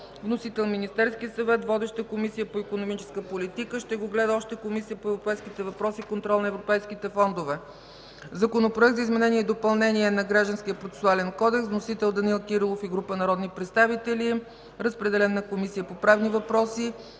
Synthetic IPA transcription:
vnosit̪ɛlˠminist̪ɛɾskiəsɐvɛt̪vɔd̪ɛʃt̪əkomisijəpoikonomit͡ʃɛ̥skəpolit̪ikəʃt̪ɛɡoɡlɛd̪əɔʃt̪ɛkomisijəpoɛvɾopɛjskit̪ɛvɐpɾɔsikont̪ɾɔlˠnɐɛvɾopɛjskit̪ɛfɔnd̪ovɛ | zɐkonopɾoɛk̚t̪zəizmɛnɛniɛid̪opɐlˠnɛniɛnɐɡɾaʒd̪ənsk̟ʲiəpɾot̪sɛ̥sualɛnkɔd̪ɛksvnosit̪ɛlˠd̪ɐnilˠkiɾilˠofiɡɾupənɐɾɔd̪nipɾɛt̪st̪avit̪ɛli | ɾəspɾɛd̪ɛlɛnːɐkomisijəpopɾavnivɐpɾɔsi

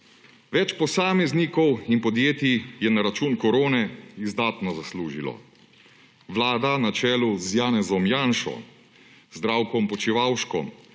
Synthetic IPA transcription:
ʋɛt͡ʃpɔsaːmɛznikɔwinpɔd̪jeːt̪ijɛnaɾat͡ʃuːnkɔɾoːnɛizd̪aːt̪nɔzasluːʒilɔ̰ | ʋlaːd̪anat͡ʃɛːluzjaːnɛzɔmjaːnʃɔ̰ | zd̪ɾaːwkɔmpɔt͡ʃiʋawʃkɔ̰m

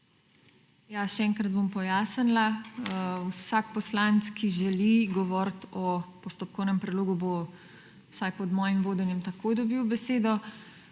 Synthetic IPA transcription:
jaʃɛɛŋkɾɐd̪̚bompɔjaːsənla | wsak̚pɔslant̪skʰiʒɛliɡɔʋɔɾt̪ɔpɔst̪op̚kɔwnɛmpɾɛd̪loːɡubo | sajpɔd̪mɔːjimʋoːd̪ɛnjɛmt̪akoːjd̪ɔbiːwbɛseːd̪ɔ

